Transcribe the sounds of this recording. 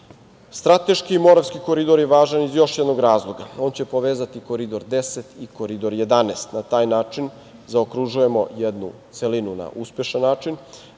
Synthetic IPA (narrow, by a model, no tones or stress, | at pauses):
st̪ɾat̪e̞ʃkiːmo̞ɾaʋskiko̞ɾid̪o̞ɾjeʋaːʒanizjo̞ʃjɛd̪noɡɾaːzlˠo̞ɡa̰o̞ːnt͡ɕe̞poʋeːzat̪ikoɾid̪o̞ɾd̪eset̪iko̞ɾid̪o̞ɾje̞d̪aneːst̪nat̪aːjnaːt͡ʃin | zaokɾuʒuje̞mo̞jed̪nut̪selinuna̰ʔuspjeʃanːaːt͡ʃin